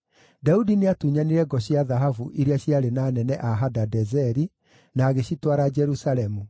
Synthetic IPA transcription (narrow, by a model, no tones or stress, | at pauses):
daudineatuːɲaniɾɛɡɔɕiaðaɦavuʔiɾeaɕiaɾenaːnɛnɛʔaɦadadɛzɛɾi | naːɣeɕitwaɾad͡ʒɛɾusalɛmu